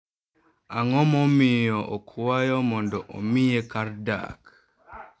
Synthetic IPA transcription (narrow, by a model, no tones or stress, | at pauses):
aŋɔmɔmɪjɔʔɔkʰuwajɔmɔndɔʔo̰mijekaɾda̰k